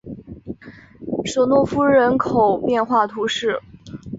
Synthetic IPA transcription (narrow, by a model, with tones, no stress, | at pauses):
ʂo˨˩ʊnwɔ˥˩fu˥ɻə˧˥nkʰo˨˩ʊpjɛ˥˧nxwa˥˩t̪ʰu˧˥ʂɻ̩˥˩